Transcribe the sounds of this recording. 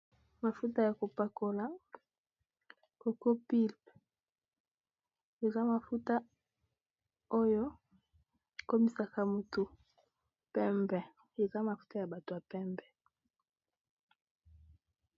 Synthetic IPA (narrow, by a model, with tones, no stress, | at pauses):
ma˨fu˦ta˦ja˨ko˨pa˨ko˨la˦ | ko˨ko˦pi˦˨lp | e˨za˦ma˨fu˦ta˦ | o˦jo˦ | ko˦mi˦sa˨ka˦mo˨to˨ | pɛ˦mbɛ˨ | e˨za˦ma˨fu̥˦ta˦ja˨ba˨to˨ja˨pɛ˦mbɛ˨